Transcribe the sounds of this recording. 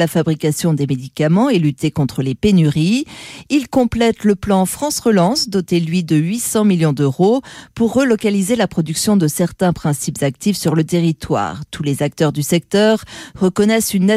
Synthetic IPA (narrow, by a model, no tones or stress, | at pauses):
lafabʁikasjɔ̃d̪emed̪ikamɑ̃elyt̪ekɔ̃t̪χəlepenyʁiilkɔ̃plɛt̪ləplɑ̃fχɑ̃sʁəlɑ̃sd̪ɔt̪elɥid̪əɥisɑ̃miljɔ̃d̪øʁopuʁːəlɔkalizelapχɔd̪yksjɔ̃d̪əsɛʁt̪ɛ̃pχɛ̃sipz̥ak̚t̪ifsyʁlət̪eʁit̪wa̰ːʁt̪ʰulezak̚t̪œʁd̪ysɛk̚t̪œʁːəkɔnɛsynːɛ